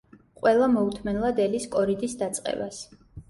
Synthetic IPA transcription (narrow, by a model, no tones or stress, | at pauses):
qʼwɛlˠamɔut̪ʰmɛnlˠad̪ɛliskʼɔɾid̪isd̪at̪sʼqʼɛ̰bas